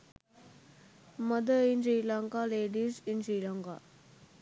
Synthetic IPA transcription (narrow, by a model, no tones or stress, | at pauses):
məd̪əinsiːlaŋkaleːɖizinsɾiːlaŋka̰